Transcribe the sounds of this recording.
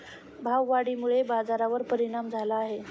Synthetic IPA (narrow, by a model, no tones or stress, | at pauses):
bʱaʋːaɽiːmuɭebad͡zaɾaʋəɾpəɾiɽ̃amd͡zʱalaːɦe